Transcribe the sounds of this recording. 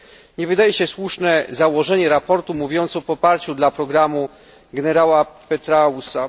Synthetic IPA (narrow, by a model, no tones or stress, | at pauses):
ɲɛvɘd̪ajɛɕɛswuʂnɛzawɔʐɛɲɛɾapɔɾt̪umuvʲjɔnt̪sɔpɔpaɾt͡ɕud̪lapɾɔɡɾamu | ɡɛnɛɾawapɛt̪ɾausa